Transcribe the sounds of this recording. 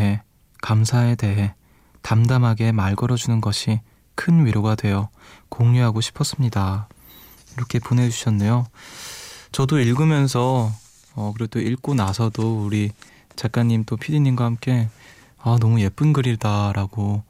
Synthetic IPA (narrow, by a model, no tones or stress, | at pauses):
ɦe̞ | kamsʰae̞de̞ɦe̞ | tamdamɦaɡe̞maɭɡʌɾʌd͡ʑunɯnɡʌɕʰi | kʰɯnɥiɾoɡadwe̞jʌ | koŋɲuɦaɡoɕʰi̥pʰʌs͈ɯmɲida | iɾʌkʰe̞pone̞d͡ʑuɕʰʌnːe̞jo | t͡ɕʌdoiɭɡɯmjʌns̬ʰʌ | ʌkɯɾedoiɭk͈onasʰʌdouɾi | t͡ɕak͈aɲːimt͈opʰiɾiɲinɡwahamk͈e̞ | ʌnʌmuje̞p͈ɯnɡɯɾiɭdaɾaɡo